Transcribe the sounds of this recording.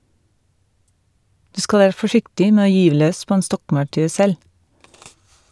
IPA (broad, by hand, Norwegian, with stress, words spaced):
ˈdʉː ˈskɑl ˈæːɾ fɔˈʃɪktɪ ˈmeː ˈoː ˈjyːʋ ˈløːs ˈpoː ˈeːn ˈstɔkmɑʉˌʈʉː ˈsɛl